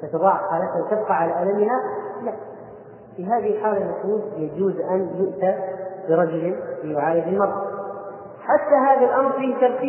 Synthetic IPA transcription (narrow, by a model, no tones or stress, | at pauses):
t̪at̪ʊðˤɑːʕxaːlat̪hawt̪ɪb̚qɑʕalaʔalamɪhalaʔ | fiɦaːðɪhɪlħaːlanaquːljad͡ʒuːzʔanjʊʔt̪abɪɾˤɑd͡ʒʊlɪfiːwʕaːjɪdɪlmɑɾˤːɑ | ħat̪ːaɦaːðalʔɑmɾˤfiːhɪt̪ɑɾˤt̪iː